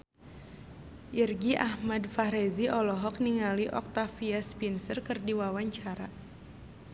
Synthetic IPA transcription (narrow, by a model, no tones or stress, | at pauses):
ʔirɡiʔahmadfaɾeziɔlɔɦɔk̚niŋaliʔɔk̚t̪afiaspinsərkɨrdiwawaɲt͡ʃaɾa